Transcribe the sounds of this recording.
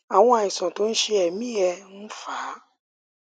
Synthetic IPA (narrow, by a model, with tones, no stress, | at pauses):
a˨w̃ɔ̃˧a˨ĩ˨sã˨to˨˦n̩˦ʃe˧ɛ˨mĩ˦ɛ˧n̩˦faː˨˦